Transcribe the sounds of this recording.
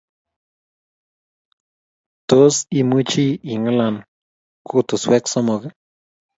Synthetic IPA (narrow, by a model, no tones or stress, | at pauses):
t̪osimut͡ʃiiŋalan | kʰut̪osweksomoka